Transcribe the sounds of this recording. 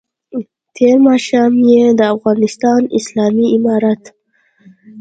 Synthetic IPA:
t̪ʰeɾmɑʃɑmjed̪əafɣɑnɪst̪ɑnɪslɑmiɪmɑɾat̪

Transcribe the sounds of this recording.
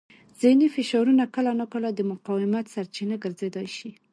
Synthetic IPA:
z̥ɪnifɪʃɑɾunakəlanakəlad̪əmʊqɑwɪmat̪saɾt͡ʃinaɡəɾzed̪ɑjʃi

